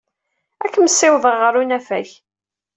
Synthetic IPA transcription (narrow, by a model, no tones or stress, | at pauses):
ækːəməsːɪwðəʁːəɾunæfæç